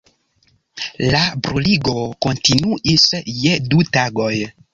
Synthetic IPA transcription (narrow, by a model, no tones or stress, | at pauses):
labɾuliɡo̞ko̞ntinuʔisjedutaɡo̞j